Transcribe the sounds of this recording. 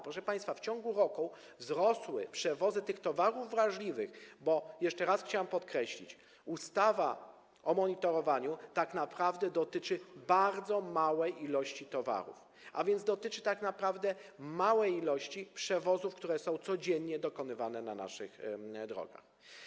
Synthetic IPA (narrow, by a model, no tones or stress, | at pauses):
pɾɔʂɛpaj̃st̪faft͡ɕɔŋɡuɾɔku | vzɾɔswɘpʂɛvɔzɘt̪ɘxt̪ɔvaɾuvːɾaʐlʲivɘxbɔjɛʂt͡ʂɛɾasxt͡ɕawampɔt̪kɾɛɕlʲḭt͡ɕ | ust̪ava̰ | ɔmɔɲit̪ɔɾɔvaɲut̪aknapɾavd̪ɛd̪ɔt̪ɘt͡ʂɘbaɾd̪zɔmawɛjilɔɕt͡ɕit̪ɔva̰ɾṵf | ʔa̰vʲjɛnzd̪ɔt̪ɘt͡ʂɘt̪aknapɾavd̪ɛmawɛjilɔɕt͡ɕipʂɛvɔzufkt̪uɾɛsɔ̃w̃t̪sɔd͡ʑɛɲːɲɛd̪ɔkɔnɘvanɛna̰na̰ʂɘxd̪ɾɔ̰ɡa̰x